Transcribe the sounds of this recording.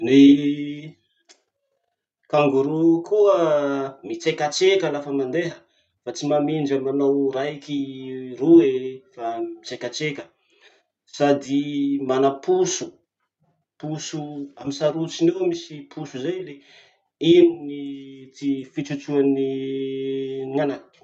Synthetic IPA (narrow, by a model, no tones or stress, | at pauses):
ni | kaŋɡuɾukuəmit͡sekat͡sekəlafəmand̪eɦə | fat͡simamind͡ʒəmanowɾajkiruefamit͡sekat͡sekʲə | sad̪imanapusu | pusuamisaɾut͡sinewmisipʰusuzajle | ininit͡sifit͡sut͡suani | ŋanan̥